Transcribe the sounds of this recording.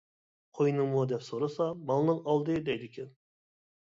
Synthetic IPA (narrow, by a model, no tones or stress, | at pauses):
qʰojnɨŋmud̪ɛpsoɾɨsɑmɑlˠnɨŋɑlˠd̪ɨd̪ɛjd̪ɪkʲʰɛn